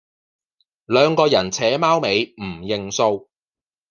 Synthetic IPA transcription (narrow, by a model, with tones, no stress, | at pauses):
lœː˨˧ŋkɔː˧jɐ˨˩nt͡sʰɛː˨˥maː˥wme˨˧jm̩˨˩jɪ˨˧ŋso˧w